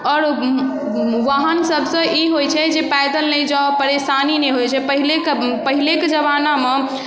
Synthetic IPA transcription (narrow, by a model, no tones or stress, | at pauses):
ɔːɾ | ʋaɦənsəbʱsə̃ʔiɦojt͡ʃʰɛd͡ʒepajd̪əlnəd͡ʒapəɾesanineɦojt͡ʃʰɛpəɦilekpəɦileked͡ʒəβaname